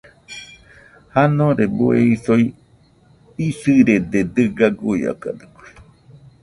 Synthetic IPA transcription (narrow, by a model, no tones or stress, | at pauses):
hanõɾebueisoi | isɨɾed̪ed̪ɨɡaɡuia̰kad̪ɨkui̥